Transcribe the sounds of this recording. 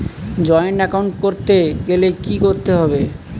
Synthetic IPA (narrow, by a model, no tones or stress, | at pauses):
d͡ʑɔeonɛkawɳʈkoɾt̪eɡelekikoɾt̪eɦɔbe